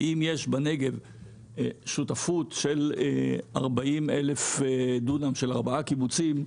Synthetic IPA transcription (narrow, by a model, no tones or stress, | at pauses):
ʔimjeʃbane̞ɡe̞v | ʃutafutʃel | a̰ʁbaʔimelefd̪unamʃelaʁbaakibut͡sim